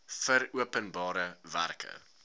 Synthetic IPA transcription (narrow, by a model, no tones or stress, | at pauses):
fəɾuəpənbɑːɾəvæ̰rkʰə̰